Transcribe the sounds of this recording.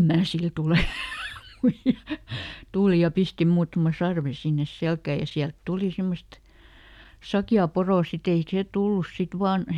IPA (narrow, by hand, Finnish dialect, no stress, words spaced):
mæː sil tuleˑ muij̆ɑ tuˑli jɑ pisti muːtɑ̆mɑ sɑrʋe sinːes selkæˑ jɑ siælt tuli semːost sɑkjɑː poroˑ sit ei seˑ tulːus sit ʋɑːn